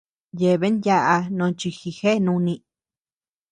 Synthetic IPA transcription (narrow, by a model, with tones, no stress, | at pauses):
je˨βe˦nja˦ʔa˧nõ˨˧t͡ʃi˧xi˧xe˦˨˧nũ˧nĩ˧